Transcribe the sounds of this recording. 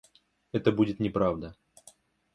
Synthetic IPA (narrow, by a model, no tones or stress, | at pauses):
ɛt̪əbudʲɪt̪nʲɪpɾavd̪ə